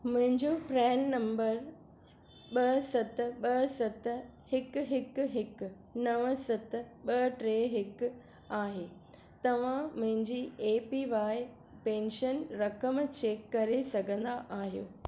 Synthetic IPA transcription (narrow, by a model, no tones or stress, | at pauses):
mʊ̃ɦɪ̃ɲd͡ʑopɾɛːnːɐ̃mbəɾ | ɓɐsɐt̪ɓɐsɐt̪hɪkʊɦɪkɦɪk | nɐʋəsɐt̪̆ɓɐʈɾeːɦɪk | aːɦeː | t̪ɐʋ̤ãmʊ̃ɦɪ̃ɲd͡ʑiːeːpiʋaːɪ | pẽːnʃənɾɐkəmt͡ɕeːkːɐɾesɐɡʱə̃nd̪aʔaːɦijo̰ː